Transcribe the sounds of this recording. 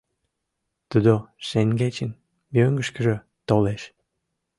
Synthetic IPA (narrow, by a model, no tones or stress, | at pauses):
t̪ud̪oʃeŋɡet͡ɕən | mjøŋɡəʃkə̆ʒø | t̪oleʃ